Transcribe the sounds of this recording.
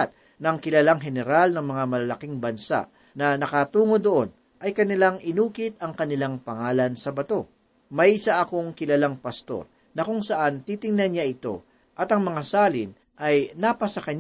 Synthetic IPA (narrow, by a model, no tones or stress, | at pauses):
t̪̚ | nɐŋkɪlɐlaŋɦɛnɛɾalnɐŋmɐŋamɐlɐlɐkiŋbɐnsa̰ʔ | nɐnɐkɐt̪uːŋo̞d̪oʔo̞n | ʔɐjkɐnɪlaŋʔɪnuːkɪt̪̚ɐŋkɐnɪlaŋpɐŋaːlɐnsɐbɐt̪o̞ | mɐjɪsaʔɐko̞ŋkɪlɐlaŋpɐst̪o̞̰ɾ | nɐkʊŋsɐʔant̪it̪ɪŋnɐnɲaʔɪt̪o̞̰ | ʔɐt̪ɐŋmɐŋasaːlɪn | ʔɐjnapɐsɐkɐɲ